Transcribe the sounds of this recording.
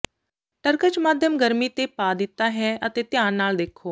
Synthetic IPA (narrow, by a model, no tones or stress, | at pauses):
ʈəɾkət͡ʃmaːd̪ʱjəmɡəɾmiːt̪eːpaːd̪ɪt̪ːaːɦɛːʔət̪eːt̪ɪjaːnnaːld̪eːkʰːoː